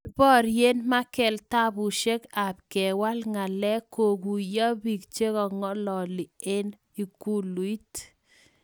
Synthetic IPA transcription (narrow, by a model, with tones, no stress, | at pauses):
i˦bɔ˦˨ɾje˦nma˦kɛ˨lta˦bu˨ʃe˦ka˨p̚kɛ˨wa˦lŋa˨lɛ˦ko˨ku˨jɔ˦bi˨kt͡ʃe˦kɔ˨ŋɔ˦lɔ˨li˨e˦n | i˨ku˦lu˨i˦t